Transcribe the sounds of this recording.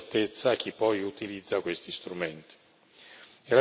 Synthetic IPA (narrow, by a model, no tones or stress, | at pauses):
t̪et̪sːaːk̟ːipːɔjut̪ilid̪zːakwest̪ist̪ɾument̪i̥ | ɛla